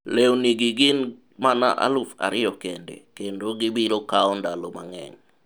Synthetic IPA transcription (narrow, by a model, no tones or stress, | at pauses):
lewniɡiɡɪn | mana̰ʔa̰lufa̰ɾɪjɔkendḛkendoɡɪbiɾokaɔndalomaŋɛ̰ŋ